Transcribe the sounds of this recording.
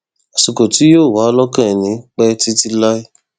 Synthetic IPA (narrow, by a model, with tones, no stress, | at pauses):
a˨su˨ko˨ti˨˦joː˦˨wa˨˦lɔ˦kã˦ɛ˨nĩ˨˦k͡pɛ˦ti˦ti˦la˦i˦